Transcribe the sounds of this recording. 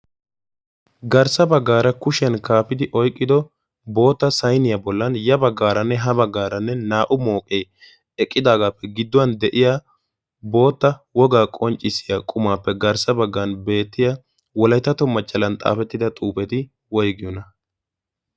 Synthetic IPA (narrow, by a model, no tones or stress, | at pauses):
ɡɐɾsɐbɐɡːaːɾɐkʊʃɛnkaːfɪd̪ɪʔɔjkʼːɪd̪ɔ | bo̞ːt̪ːɐsɐjnɪjɐbɔlːɐnjɐbɐɡːaːɾɐnːɛɦɐbɐɡːaːɾɐnːɛnaːʔʊmo̞ːkʼeː | ɛkʼːɪd̪aːɡaːpːɛɡɪd̪ːɔwɐnd̪ɛʔɪjaː | bo̞ːt̪ːɐwɔɡaːkʼɔnt͡ʃʼːɪsɪjakʼʊmaːpːɛɡɐɾsɐbɐɡːɐnbe̞ːt̪ːɪja | wɔlɐjt̪ːɐt̪ɔmːɐt͡ʃʼːɐlɐnt̪ʼa̰ːfɛt̪ːɪd̪ɐt̪ʼuːpɛt̪ɪ | wɔjɡɪjɔnɐ